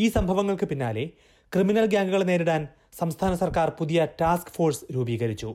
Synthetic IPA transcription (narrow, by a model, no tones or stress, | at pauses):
iːsɐmbʱɐʋɐŋːɐɭkɨpinːaːle̞ | krɨminɐlɡjaːŋɡɐɣɐɭneːɾiɽaːn | sɐmst̪ʰaːnɐsɐrkaːrpuðijɐtaːskfo̞ːrsɾuːbiːɣɐɾit͡ɕːu